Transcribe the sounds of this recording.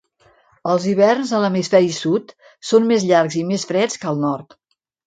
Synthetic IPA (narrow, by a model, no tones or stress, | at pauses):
əlˠziβɛrnzələmisfɛɾisut̪ | sonmezʎaɾkzimesfɾɛt͡skəlˠnɔrt̪